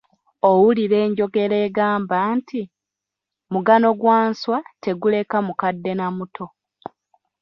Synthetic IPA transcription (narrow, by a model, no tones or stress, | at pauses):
owuliɾe̞ːɲɟo̞ɡe̞ɾe̞ːɡaːmbanti | muɡano̞ɡwaːnswate̞ɡule̞kamukadːe̞namutʰo̞